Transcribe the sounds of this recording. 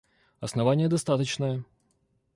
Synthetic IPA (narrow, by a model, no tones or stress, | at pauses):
ɐsnɐvanʲɪjəd̪ɐst̪at̪ət͡ɕnəjə